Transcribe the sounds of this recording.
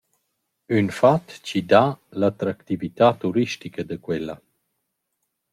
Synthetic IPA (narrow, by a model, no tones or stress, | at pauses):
ynfat̪t͡ɕid̪alat̪ɾakt̪ivit̪at̪uɾiʃtikəd̪əkwɛla̰